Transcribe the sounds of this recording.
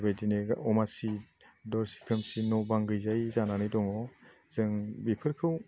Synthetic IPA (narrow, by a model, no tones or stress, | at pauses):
bajdineɔmasi | dɔɾsi̥kʰɯmsinɔbaŋɡɯjzajzananɯdɔŋɔz̥ɯŋbipʰɯɾkʰɯw